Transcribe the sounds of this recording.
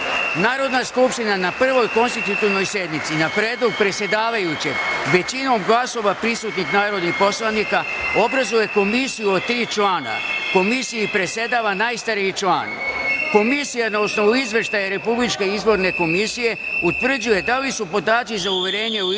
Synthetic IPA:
naːɾo̞d̪naskupʃt̪inanapr̩ʋo̞jko̞nst̪it̪ut̪iʋno̞jsje̞d̪nit̪sinapɾe̞ːd̪lˠo̞ɡ̚pɾe̞t̪sje̞d̪aːʋajut͡ɕeɡʋe̞t͡ɕino̞mɡlaso̞ʋapɾisut̪nixnaːɾo̞d̪nixpo̞slˠanika | o̞bɾazuje̞ko̞misijuot̪ɾiːt͡ʃlˠaːna̰ko̞misijupɾe̞t̪sʲe̞d̪aːʋanaːjst̪aɾiit͡ʃla̰ːnko̞misijanaosno̞ʋuizʋe̞ʃt̪ajaɾe̞publit͡ʃke̞izbo̞ɾne̞ko̞misije̞ | ut̪ʋr̩d͡ʑuje̞d̪alisupo̞d̪aːt̪sizauʋe̞ɾe̞ːɲe̞u

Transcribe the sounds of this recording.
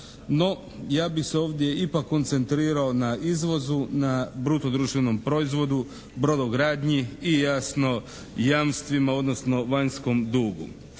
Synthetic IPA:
no̞ | jaːbixseo̞ːʋd̪je̞ipakːo̞nt̪se̞nt̪ɾiːɾao̞naizʋo̞zunabɾut̪od̪ɾuːʃt̪ʋeno̞mpɾo̞izʋo̞d̪u | bɾod̪oɡɾaːd̪ɲiijaːsno̞ | jamst̪ʋimao̞d̪no̞sno̞ʋaɲsko̞md̪uːɡṵ

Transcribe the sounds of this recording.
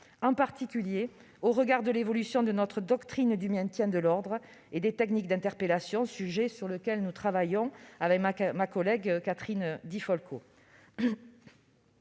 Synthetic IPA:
ɑ̃paʁt̪ikʲylje | oʁəɡaʁd̪əlevɔlysjɔ̃d̪ənɔt̪χəd̪ɔkt̪χind̪ymɛ̃t̪jɛ̃d̪əlɔʁd̪ʁ | ed̪et̪ɛknikd̪ɛ̃t̪ɛʁpelasjɔ̃syʒesyʁləkʲɛlnut̪χavajɔ̃avɛkmakɔlɛɡkat̪χind̪ifɔlkʰo

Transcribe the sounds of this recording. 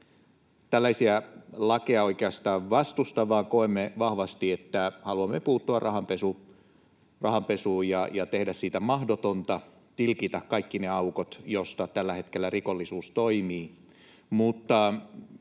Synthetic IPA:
t̪ælːæisiælɑkeɑoikeɑst̪ɑːʋʋɑst̪ust̪ɑʋɑːkoemːeʋɑhʋɑst̪iet̪ːæhɑluɑmːepuːt̪ːuɑrrʔɑhɑmpesu | rɑhɑmpesuːjɑjɑt̪ehdæssit̪æmɑhdot̪ont̪ɑ | t̪ilkit̪ækkɑikːineɑukot̪jost̪ɑt̪ælːæhet̪kelːærikolːisuːst̪oimiː | mut̪ːɑ

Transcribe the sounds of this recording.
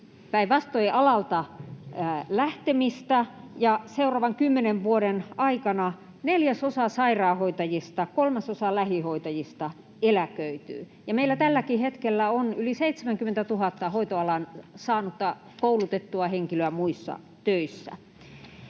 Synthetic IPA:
pæiʋɑst̪oiʔɑlɑlt̪ɑ | læht̪emist̪æjɑseurɑːʋɑŋkymːeneʋʋuodenɑikɑnɑ | neljæsosɑsɑirɑːhoit̪ɑjist̪ɑkolmɑsosɑlæhihoit̪ɑjist̪ɑ | elækøyt̪y̰ː | jɑmeilːæt̪ælːækihet̪kelːæonyliseit̪semæŋkymːent̪æt̪uhɑt̪ːɑhoit̪oɑlɑnsɑːnut̪ːɑ | koulut̪et̪ːuɑheŋkiløæmuisːɑ̰ | t̪øisːæ̰

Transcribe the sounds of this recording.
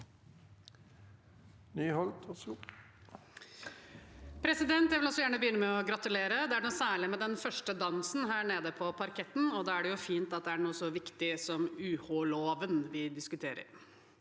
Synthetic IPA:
nyːhɔlt̪ʰɔsu | pʰɾɛsɪd̪ɛnt̪jæɪʋɪlɔsɔjæːɳəbəjʏnːəmɛɔɡɾɑt̪ʉleːɾəd̪ɛæɳɔːsæːɭɪmɛd̪ɛnfœʂʈəd̪ɑnsn̩ɦæːɳeːd̪əpʰɔpʰɑɾkʰɛt̪ːn̩ɔd̪ɑːæɖɛjʊfiːnt̪ɑt̪̚d̪ɛæɳuːəsɔʋɪkt̪ɪsɔmʉːholoːʋənʋɪd̪ɪskʉt̪ʰeːɾə̰ɾ

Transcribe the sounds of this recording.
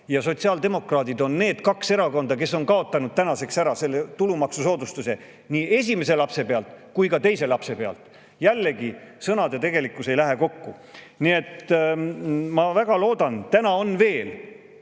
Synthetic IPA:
jɑso̞t̪ʲsiɑld̪e̞mo̞krɑːd̪id̪o̞nːe̞ːd̪̥kɑkse̞ɾɑko̞nd̪̥ɑke̞sːo̞nkɑo̞t̪ːˑɑnud̪̥̚t̪ænɑse̞ksæɾɑse̞lːe̞t̪ulumɑksuso̞ːd̪ust̪use̞ | niːe̞sʲime̞se̞lɑpse̞pe̞ɑlt̪kujkɑt̪e̞jse̞lɑpse̞pe̞ɑ̰lt̪ | jælːeɡisɤnɑd̪e̞t̪e̞ɡe̞likːˑuse̞jlæɦe̞ko̞kːu | nie̞t̪ | mɑvæɡɑlo̞ːd̪ɑnt̪ænɑo̞nve̞ːl

